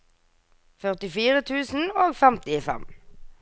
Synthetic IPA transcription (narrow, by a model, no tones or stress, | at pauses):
fœʁt̪ɪfiːʁət̪ʰʉːsn̩oːɡfɛmt̪ɪfɛ̰m